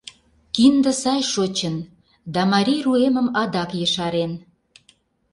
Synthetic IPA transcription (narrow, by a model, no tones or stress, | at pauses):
kind̪ə̆sɑjʃot͡ɕən | d̪ɑmɑɾʲijruemə̆mɑd̪ɑkjəʃɑɾen